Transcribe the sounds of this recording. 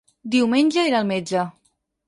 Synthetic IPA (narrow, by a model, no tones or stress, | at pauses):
d̪iwmenʲd͡ʒəeɾalˠmed͡ʒə